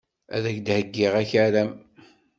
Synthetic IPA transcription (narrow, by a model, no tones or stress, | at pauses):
æ̰ðæçd̪həɡːɪʁæçaɾæm